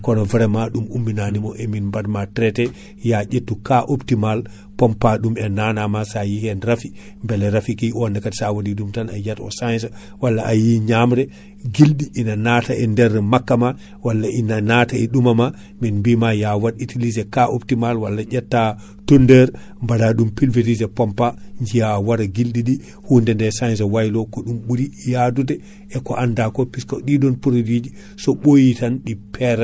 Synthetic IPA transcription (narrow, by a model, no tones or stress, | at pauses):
kɔnɔvɛɾɛmaɗumumːinanimɔʔɛminmbadmatɾɛtɛ | jaʔetːukaʔoptimal | pɔmpaɗumɛnanamasajihɛnɾafi | mbɛlɛɾafikiʔɔndɛkatsawadiɗumtanajatɔ̰sajsa | walːaʔajiɲamɾɛ | ɡilɗiʔinanataʔɛndɛɾɛmakːama | walːaʔinanataɛɗumama | minmbimajawaditilizɛkaʔoptimalwalːad͡ʒatːa | tondɛɾ | mbadaɗumpilveɾizɛpɔmpaɲd͡ʒijawaɾaɡilɗiɗi | hundɛndɛsajnsawajlɔkɔɗumɓuɾijadudɛ | ɛkɔʔandakɔpiskaɗidɔnpuɾodid͡ʒi | sɔɓojitanɗipʰɛɾɛ